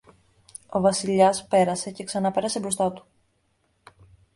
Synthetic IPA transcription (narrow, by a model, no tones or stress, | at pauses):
o̞vɐsiʎɐspe̞ɾɐse̞ce̞ksɐnɐpe̞ɾɐse̞bɾost̪ɐt̪u̥